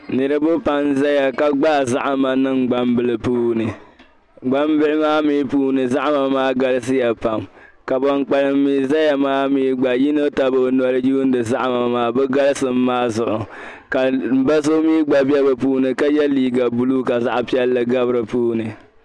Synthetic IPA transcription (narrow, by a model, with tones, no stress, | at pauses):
nɨ˨ɾɨ˦bʊ˦pa˦n˦za˦ja˨ka˨ɡ͡ba˦˨za˦ʔa˨ma˨nɨ˦ŋɡ͡ba˦mbɨ˨lɨ˨puː˦nɨ˨ | ɡ͡ba˦mbɪ˦ʔɪ˦maː˦miː˦puː˦nɨ˨za˦ʔma˨maː˦ɡa˦lɨ˦s̬ɨ˦jɛ˨pa˨mka˨bɔ˨ŋk͡pa˨lɨ˨mː˦iː˦za˦ja˨maː˦miː˦ɡ͡ba˨ji˦no˦ta˦bo˨˦n˨ɔ˦ɾɨ˦ju˦n˦dɨ˨za˦ʔma˨maː˦bɛ˦ɡa˦lɨ˦sɨ˨m̩ː˦aː˦zʊ˨ʔʊ˨ | ka˨m̩˨ba˦so˦miː˦ɡ͡ba˦bɛ˦bɨ˨puː˦nɨ˨ka˦jɛ˦liː˦ɡa˨bu˦lu˦ka˨za˦ʔa˨pi˦ɛ˦lːɨ˨ɡa˦bɨ˦ɾɨ˨puː˦nɨ˨